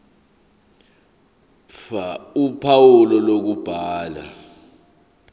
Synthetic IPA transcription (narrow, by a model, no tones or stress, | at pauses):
aupʰawulɔlok̬ub̥ʱaːla̰